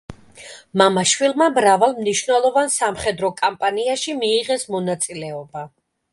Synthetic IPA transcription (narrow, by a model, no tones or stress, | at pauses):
mamaʃwilˠmamɾavalˠmniʃvnɛlˠɔvansamχɛd̪ɾɔkʼampʼaniaʃimiːʁɛsmɔnat̪sʼilɛɔba